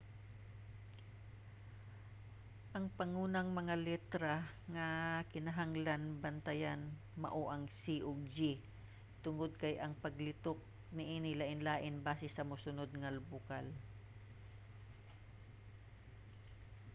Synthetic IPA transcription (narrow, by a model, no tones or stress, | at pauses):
ʔɐŋpɐŋuːnɐŋmɐŋalɛt̪ɾa | ŋɐkɪnɐɦaŋlanbɐnt̪ɐjan | mɐ̰ʔoʔɐŋsiʔod͡ʒi | t̪ʊŋod̪̚kɐjʔɐŋpɐɡlɪt̪ok̚ | nɪʔiːnɪlɐʔɪnlaːʔɪnbaːsɛsɐmʊsʊnod̪̚ŋɐlbʊkal